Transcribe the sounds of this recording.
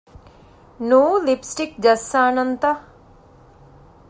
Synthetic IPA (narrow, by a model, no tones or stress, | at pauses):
noːlipsʈik̚d͡ʒɐsːaːnɐnt̪ɐ